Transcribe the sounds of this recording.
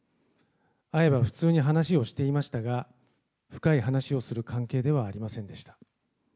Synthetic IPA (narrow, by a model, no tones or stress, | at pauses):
ae̞baɸɯ̟̥t͡sɨːɲ̟iɦanaɕio̞ɕi̥t̪e̞imaɕi̥t̪aɡa | ɸɯ̟̥kaiɦanaɕio̞sɨɾɯ̟kʰãŋke̞ːd̪e̞β̞aːɾʲimasẽ̞nd̪e̞ɕi̥t̪ḁ